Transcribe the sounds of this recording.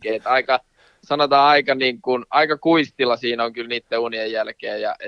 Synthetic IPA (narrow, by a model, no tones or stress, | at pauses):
ket̪ɑikɑ | sɑnot̪ɑːɑikɑniːŋkunɑikɑkuist̪ilɑsiːnoŋkylniːt̪ːeuniejjælkeːjjɑ̰